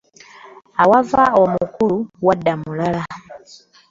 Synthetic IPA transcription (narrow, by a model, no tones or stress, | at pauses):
awavaɔmukuluwadamulala